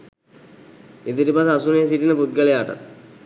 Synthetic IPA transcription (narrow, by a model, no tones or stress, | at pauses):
ed̪iʈipas̬asunijes̬iʈinəput̪̚ɡəlejaːʈa̰t̪̚